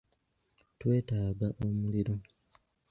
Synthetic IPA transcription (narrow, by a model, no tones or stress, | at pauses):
twe̞ːtaːɡaʔo̞muliɾo̞